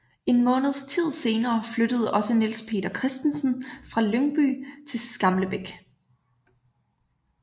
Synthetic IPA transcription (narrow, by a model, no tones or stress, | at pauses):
e̝nmɔ̽ːnð̞̩ˠst͡sʰið̞̰ˠse̝ːnɐːflød̥əð̞̩ˠəʔɒ̽sənilspʰe̝̰ːdɐkʰʁɛsd̥n̩sn̩fʁɑ̈løŋb̥y̰t͡sʰe̝sɡ̥ɑ̈mləb̥eɡ̥